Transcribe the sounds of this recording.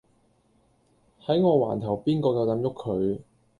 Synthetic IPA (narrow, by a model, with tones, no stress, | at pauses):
hɐ˨˥jŋɔː˨˧wa̰ː˨˩nt̪ʰɐ˨˩wpiː˥nkɔː˧kɐ˨˧wt̪ɐ˨˥mjʊ˥kʰːɵ˨˧ɥ